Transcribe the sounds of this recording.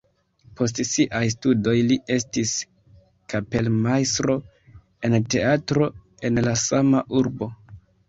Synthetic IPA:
po̞s̬tsiʔajs̬tudo̞jlie̞stis | kape̞lmajstɾo̞ | e̞nte̞atɾo̞ | e̞nlasamaʔuɾbo̞

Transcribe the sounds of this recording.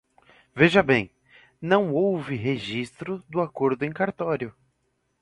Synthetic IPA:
veʒɐbẽj̃ | nɐ̃w̃owvɪɦeʒist̪ɾʊd̪ʊakoɾd̪ʊẽj̃kaɾt̪ɔɾjʊ

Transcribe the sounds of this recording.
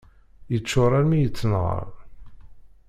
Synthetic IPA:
jət͡ʃːʊɾˤɑɾmijət͡sːnʁə̰ɾˤ

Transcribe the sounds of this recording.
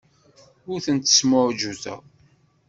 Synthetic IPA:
ʊɾθənt̪ːə̥sməɾd͡ʒuzæ̰

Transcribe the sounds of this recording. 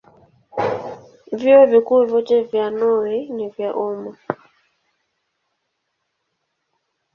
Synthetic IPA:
vjɔvikuvɔt͡ʃɛvjanɔwɛnivjaʔumɔ

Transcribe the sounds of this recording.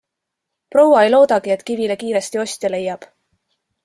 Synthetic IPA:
pro̞wɑejlo̞ːd̪̥ɑɡ̥ie̞t̪kivilekiːɾe̞st̪io̞sʲt̪jɑle̞jːɑb̥

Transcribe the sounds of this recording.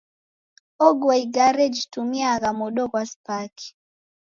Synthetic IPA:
ɔɡwɛiɡaɾɛd͡ʒitumiaɣamɔɗɔkwaspaki̥

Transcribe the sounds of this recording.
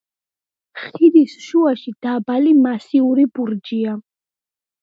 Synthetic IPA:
χiɾisʃuaʃid̪̥abalimasiuɾibuɾd͡ʒia

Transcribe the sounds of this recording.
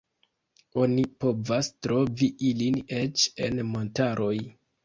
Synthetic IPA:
o̞nipo̞vastɾo̞viʔiline̞t͡ʃe̞nmo̞ntaɾʔo̞j

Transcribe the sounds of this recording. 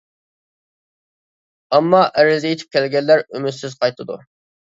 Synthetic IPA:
ɑmːɑʔæɾɪzɪjit̪ʰɪ̥p̚kʲʰɛlɡʲɛlːæɾymyt̪sɪzqʰɑjt̪ʰɨd̪ṵ

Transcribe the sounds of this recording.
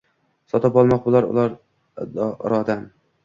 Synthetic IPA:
sɒt̪apɒlˠmɒqbʊlˠaɾʊ̰lˠaɾ | ɾɒd̪am

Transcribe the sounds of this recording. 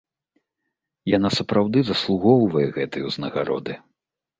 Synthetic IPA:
janasɐpɾawd̪ɨzɐslˠuɣɔwvɐjɛɣɛt̪ɨjɛwznɐɣaɾɔ̰d̪ɨ

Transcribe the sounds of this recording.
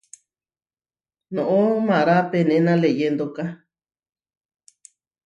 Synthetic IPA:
nõʔõmãɾapenẽnãlejend̪oka

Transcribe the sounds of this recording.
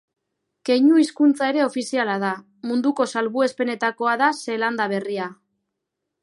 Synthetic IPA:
ke̞jɲuiskunt͡sae̞ɾe̞o̞fisialaða | mund̪uko̞salβue̞spe̞ne̞t̪ako̞aðase̞land̪aβ̞e̞ria

